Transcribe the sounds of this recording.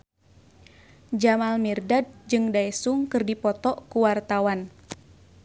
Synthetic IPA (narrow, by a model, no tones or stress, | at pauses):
d͡ʒamalmirdad̚d͡ʒɨŋdaɛsuŋkɨrdipɔt̪ɔʔkuwart̪awan